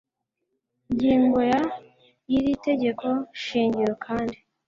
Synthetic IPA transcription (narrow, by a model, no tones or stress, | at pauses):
ɲɟiːŋɡoja | jiɾite̞ɟe̞kʰo̞ʃiːɲɟiɾokʰaːndi